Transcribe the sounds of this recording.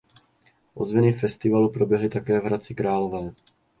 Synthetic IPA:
ʔozvɛnɪfɛst̪ɪvalupɾo̞bjɛɦlɪt̪akɛːvɦɾat͡sɪkɾaːlo̞vɛː

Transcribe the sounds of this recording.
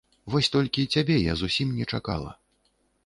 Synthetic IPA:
vɔsʲt̪ɔlʲkʲit͡sʲabʲɛja̰zusʲimnʲɛt͡ʂaka̰lˠɐ̰

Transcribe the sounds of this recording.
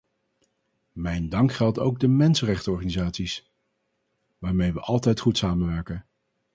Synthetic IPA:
mɛjndɑŋkχɛlˠto̰wɡ̚dəmɛnsənrɛχtəɔɹχaːnizaːtsis | ʋaːɹmejʋəʔɑlˠtɛjtχutsaːmənʋɛɹkən

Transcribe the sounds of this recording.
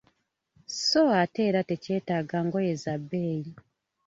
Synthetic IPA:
soate̞ːɾatece̞ːtaɡaŋɡo̞je̞zabːeːji

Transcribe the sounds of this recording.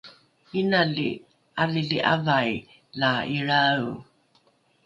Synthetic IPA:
inalḭ | aliɮiʔavaj | laiɭau

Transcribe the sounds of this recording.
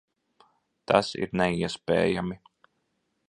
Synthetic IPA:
t̪ʰasḭɾnɛiɛspɛ̰ːjami

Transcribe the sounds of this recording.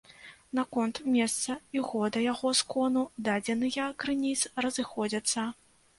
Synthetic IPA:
nakɔnt̪mʲɛst̪sɐiɣɔd̪ɐjaɣɔskɔnud̪ad͡zʲɛnɨjɐkɾɨnʲit̪srɐzɨxɔd͡zʲɐt̪sːɐ

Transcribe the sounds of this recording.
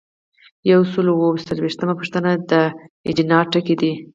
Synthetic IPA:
jawsəlowosalweʃt̪əmapəʂt̪ənad̪əɪ̰d͡ʒinɑʈəked̪i

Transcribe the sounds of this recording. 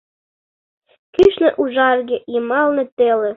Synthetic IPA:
kyʃnĕʔuʒɑrɣejəmɑlnɤ̆t̪elĕ

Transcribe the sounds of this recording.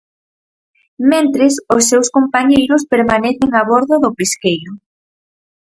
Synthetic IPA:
mẽnt̪ɾesʊsːewskompaɲejɾʊspeɾmanɛθɪŋaβɔɾðʊðʊpeskejɾʊ

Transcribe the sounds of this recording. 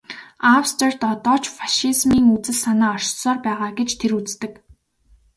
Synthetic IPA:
awst̪ʰer̥t̪ɔt̪ɔːt͡ɕfaʃizmiːŋut͡sɘ̆ɮsanaːɔr̥sɔːrpæːʁaːɡet͡ɕt̪ʰeɾut͡st̪ɘ̆k

